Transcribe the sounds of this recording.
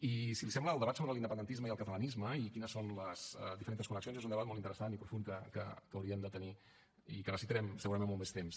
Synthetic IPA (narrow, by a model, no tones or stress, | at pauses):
isilisɛmbləːlˠəβat̪soβɾəlind̪əpəndənt̪izməiəlˠkət̪ələnizməikinəsonləz̥d̪ifəɾent̪əskunəksionzezund̪əβat̪molˠtint̪əɾəsanipɾufuŋkəkə̰kəwɾiəmd̪ət̪əni | ikərnəsit̪ɾɛmsəɣuɾəɐmẽnumest̪ems